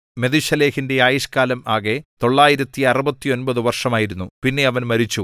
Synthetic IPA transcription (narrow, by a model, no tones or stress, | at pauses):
me̞ðiɕɐleːhinde̞aːjiʂkaːlɐmaːɣe̞t̪o̞ɭːaːjiɾɐt̪ːiɐrubɐt̪ːio̞nbɐðɨʋɐrʂɐmaːjiɾunːupinːe̞ɐʋɐnmɐɾit͡ɕːu